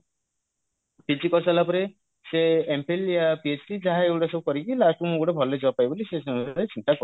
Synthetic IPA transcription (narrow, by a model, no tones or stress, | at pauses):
pit͡ʃikɔɾsalapɔɾe | seempeljapiet͡ʃʈid͡ʒaɦaeuɽesewkɔɾikilasʈumouɽebʱɔled͡ʒewapajbolisesɔmɾet͡ʃint̪akɔ